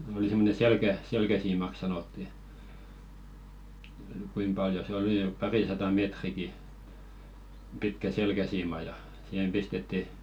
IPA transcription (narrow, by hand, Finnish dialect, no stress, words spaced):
oli semːone selkæ selkæsiːmɑk sɑnotːi kuim pɑljo se oli n̆y̆p̆ pɑrisɑtɑ meːtriki pitkæ selkæsiːmɑ jɑ sihem pistetːi